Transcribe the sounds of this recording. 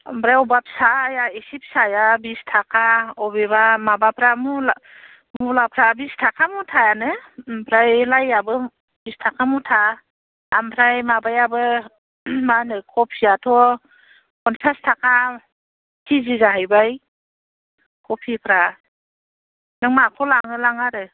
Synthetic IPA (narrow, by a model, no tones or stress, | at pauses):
mbɾajɔbap̚sajaisip̚sajabistʰakʰaɔβebamabapʰɾamula | mulapʰɾabistʰakʰamutʰajanɯbʰɾajlajabɯ | bistʰakʰamutʰa | a̰mpʰɾajmabajabɯ | manɯkʰɔpʰiatʰɔ | kɔntʰastʰakʰa | tʰizizaɦajbaj | kʰɔpʰipʰɾa | nɯŋmakʰɔlaŋɯlaŋaɾɯ